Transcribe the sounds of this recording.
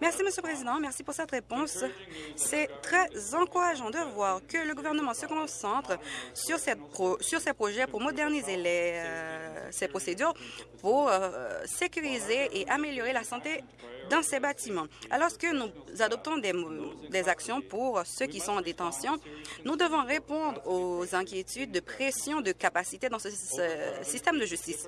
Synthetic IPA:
mɛʁsiməsjølpχezid̪ɑ̃mɛʁsipuʁsɛt̪ʁepɔ̃sː | ɛt̪χɛzɑ̃kuʁaʒɑ̃d̪əvwaʁkələɡuvɛʁnəmɑ̃səkɔ̃sɑ̃t̪χsyʁsɛposyʁsɛpχoʒɛpuʁmɔd̪ɛʁnizelɛ | sɛpχosed̪yʁpuʁsekʲyʁizeʔeʔameljɔʁelasɑ̃t̪e | d̪ɑ̃sɛbat̪imɑ̃alɔʁskənuzad̪ɔp̚t̪ɔ̃d̪ɛd̪ɛzaksjɔ̃puʁsøkʲisɔ̃ɑ̃d̪et̪ɑ̃sjɔ̃nud̪əvɔ̃ʁepɔ̃d̪ʁozɛ̃kʲjet̪yd̪̚ːəpχesjɔ̃d̪əkapasit̪ed̪ɑ̃sə | sist̪ɛmd̪əʒyst̪is

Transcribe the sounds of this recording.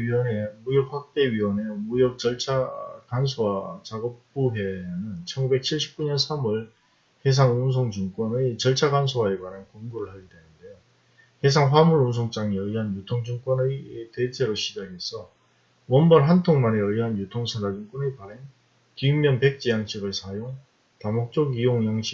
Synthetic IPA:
ɥiwʌnemujʌk̚ɸak̚t͈e̞ɥiwʌnemujʌk̚t͡ɕʌɭt͡ɕʰakansʰowat͡ɕaɡʌp̚p͈uɦe̞nɯnt͡ɕʰʌnɡube̞k̚t͡ɕʰiɭɕʰi̥p̚k͈uɲʌnsʰamɯɭ | hes̬ʰaŋuns̬ʰoŋd͡ʑuŋk͈wʌnɯjt͡ɕʌɭt͡ɕʰaɡans̬ʰowaeɡanankoŋɡuɾɯɭhaɭidenɯnde̞jo | hesʰaŋɸwamuɾuns̬ʰoŋt͡ɕ͈aŋiʌiɦanjutʰoŋd͡ʑɯŋk͈wʌnɯjte̞t͡ɕʰe̞ɾoɕʰid͡ʑaɡe̞sʰʌ | wʌnbʌɭɦantʰoŋmaneʌiɦanjutʰoŋsʰadaɡink͈onɯpaɾen | kiŋmjʌnpe̞k̚t͡ɕ͈ijaŋɕʰiɡɯɭsʰajoŋ | tamok̚t͡ɕ͈oɡijoŋjaŋɕʰi

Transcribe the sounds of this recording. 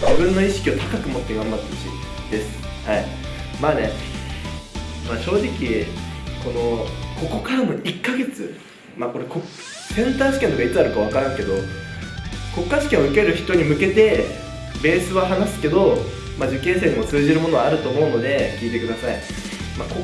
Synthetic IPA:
d͡ʑibɯ̟̃nːo̞iɕi̥kʲiot̪ḁkakɯ̟mo̞t̪ːe̞ɡãmbaɾt͡ɕḭ | d̪̥e̞sɨ̥ | hai | maːne̞ | maːɕo̞ːʑikʲiko̞no̞ko̞ko̞kaɾano̞ikːaɡe̞t͡sɨ | maːko̞ɾe̞ko̞k | sẽ̞nt̪aːɕi̥kʲe̞noɡait͡sɨaɾɯ̟kaβ̞akaɾãŋke̞d̪o̞ | ko̞kːaɕi̥kʲẽoɯ̟keɾɯ̟çi̥t̪o̞ːɲ̟imɯ̟ke̞t̪e̞ | be̞ːsɨβaɦanasɨ̥ke̞d̪o̞ | mad͡ʑɨkːẽ̞ːs̬eɲ̟imo̞t͡sɨːʑiɾɯ̟mo̞no̞aːɾɯ̟t̪o̞ːmo̞ɯ̟no̞d̪e̞kʲiːt̪e̞kɯd̪asai | maːko

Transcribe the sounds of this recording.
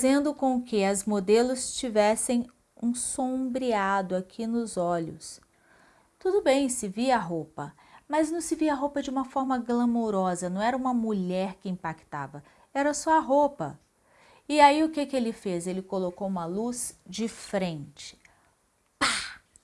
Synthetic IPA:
fazẽnd̪ʊkõkɪɐzmod̪elʊst͡ʃivɛsẽj̃ | ũsõbɾiad̪ʊakʰinʊzɔʎʊ̰s | t̪ud̪ʊbẽj̃sɪviɐaɦopɐ | mɐznɐ̃w̃sɪviɐaɦowpɐd͡ʒɪũmɐfɔɾmɐɡlɐmoɾɔzɐnɐ̃w̃ɛɾɐũmɐmuʎɛɾkɪĩpakt̪a̰vɐ | ɛɾɐsɔɐɦopɐ̰ | ɪaiʊkekɪelɪfezelɪkolokowũmɐluzd͡ʒɪfɾẽnt͡ʃɪ̥ | pa

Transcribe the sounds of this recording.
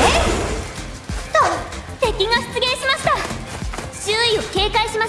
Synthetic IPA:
t̪ot̪e̞kʲiŋasɨ̥t͡sɨɡẽ̞ɰ̃ɕimaɕi̥t̪a | ɕɨːio̞ke̞ːkaiɕima

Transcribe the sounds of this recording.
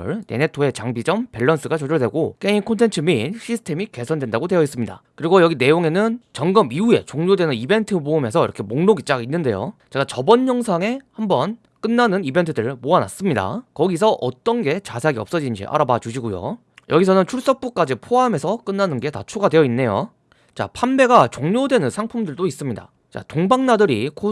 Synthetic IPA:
ɭne̞̰ne̞tʰoe̞t͡ɕaŋbid͡ʑʌmpe̞ɭːʌns͈ʰɯɡat͡ɕʌd͡ʑʌɭdweɡok͈e̞ŋinkʰontʰe̞nt͡ɕʰɯmiɕʰisʰɯ̥tʰe̞mike̞sʰʌndwe̞ndaɡodwe̞jʌis͈ɯmɲida̰kɯɾiɡojʌɡine̞joŋe̞nɯnt͡ɕʌŋɡɯmiue̞̰t͡ɕoŋɲodwe̞nɯnibe̞ntʰɯboɯme̞sʰʌḭɾʌkʰe̞moŋnoɡit͡ɕ͈aɡinːɯnde̞̰jo̰t͡ɕe̞ɡat͡ɕʌbʌɲɲʌŋsʰaŋe̞hambʌn | k͈ɯnːanɯnibe̞ntʰɯdɯɭmoana̰s͈ɯmɲida̰kʌɡis̬ʰʌʔʌt͈ʌnɡe̞t͡ɕasʰeaɡiʌp̚s͈ʌd͡ʑiɲd͡ʑḭʔa̰ɾabat͡ɕuɕʰiɡojo̰ | jʌɡisʰʌnɯnt͡ɕʰuɭs͈ʌk̚p͈uk͈ad͡ʑipʰoamesʰʌk͈ɯnːanɯnɡe̞tat͡ɕʰoɡadwe̞jʌinːe̞jo̰ | t͡ɕa̰pʰambe̞ɡat͡ɕoŋɲodwe̞nɯnsʰaŋpʰumdɯɭdois͈ɯmɲida̰ | t͡ɕa̰toŋbaŋnadɯɾikʰo

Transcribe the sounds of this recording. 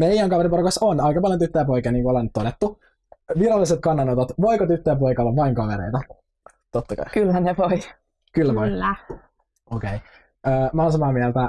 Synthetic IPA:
mejæŋkɑʋeɾiporokɑsonɑjkɑpɑljont̪yt̪ːæjæp̬oikiɑniːŋkuolent̪ːodet̪ːu | ʋirɑlːiset̪̚kɑnːɑnot̪ɑt̪ʋoikot̪yt̪ːøjæp̬ojkɑlːɑʋɑiŋkɑʋeɾḛit̪ɑ | t̪ot̪ːɑkɑ̰ikylæneʋoi | kylːæʋoilːæ | okei | əːmɑːnsɑmɑːmiælt̪æ

